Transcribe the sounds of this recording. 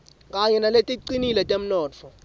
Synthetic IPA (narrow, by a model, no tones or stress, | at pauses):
kʼaɲɛnaletʼiǀinilɛtʼem̩nɔːt͡fʰɔ